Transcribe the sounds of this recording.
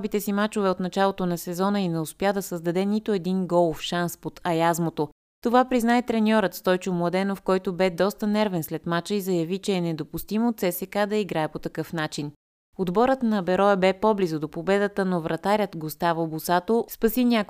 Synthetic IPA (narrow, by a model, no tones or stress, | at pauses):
bit̪ɛsimat͡ʃovɛot̪nɐt͡ʃalˠot̪onɐsɛzɔnəinɛʊspʲjad̪ɐsəzd̪ɐd̪ɛnit̪oɛd̪inɡɔlˠfʃanspot̪ɐjazmot̪o | t̪ovapɾiznaɛt̪ɾɛnʲɔɾət̪st̪ɔjt͡ʃomlˠɐd̪ɛnofkɔjt̪obɛd̪ɔst̪ənɛɾvɛnslɛt̪mat͡ʃəizɐjɐvit͡ʃɛːnɛd̪opʊst̪imot̪sɛsɛkad̪ɐiɡɾaɛpot̪ɐkɤfnat͡ʃin | od̪bɔɾət̪nɐbɛɾɔjəbɛpɔblizʊd̪opobɛd̪ət̪ənovɾʔɐt̪aɾʲət̪ɡost̪avəobʊsat̪ospɐsinʲak